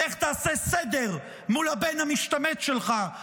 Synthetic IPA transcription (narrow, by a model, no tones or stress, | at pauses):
eχt̪aːsesed̪eʁ | mulhabenhamiʃt̪amet̪ʃelχa